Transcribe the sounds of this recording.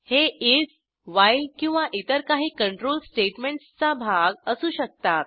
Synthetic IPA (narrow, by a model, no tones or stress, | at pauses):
heid͡z | ʋajlkĩw̃ʋaʔit̪əɾkaɦiːkəɳʈɾoːlsʈeʈmeɳʈst͡sabʱaɡəsuːɕək̚t̪at̪̚